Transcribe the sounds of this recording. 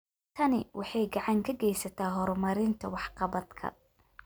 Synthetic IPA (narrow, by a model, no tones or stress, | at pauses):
t̪ʰɐnɪwʔɑħɑjɡɑʕɑŋkʰɐɡɛjsɐt̪ʰaːɦɔɾmɐɾɪnt̪ʰɐwɑħqɑβɐd̪kʰɐ̰